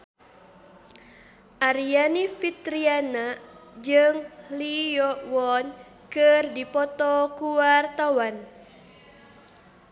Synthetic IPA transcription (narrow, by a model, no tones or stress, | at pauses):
ʔaɾianifit̪ɾianad͡ʒɨŋlijɔwɔn | kɨrdipɔt̪ɔkuwart̪awan